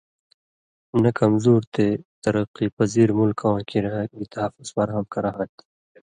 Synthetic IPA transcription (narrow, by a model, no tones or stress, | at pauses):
nɐkɐmzuːɾt̪et̪ɐɾɐqːipɐziːɾmʊlkãkiɾɐɦbit̪ɐɦɐfʊz̥fɐɾɦɐmkɐɾaɦɐt̪